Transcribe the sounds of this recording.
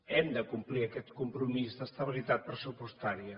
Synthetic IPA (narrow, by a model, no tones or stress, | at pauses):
ɛmd̪əkumpliəkɛt̪kumpɾumizðəst̪əβ̞ilit̪at̪̚pɾəsupust̪aɾiə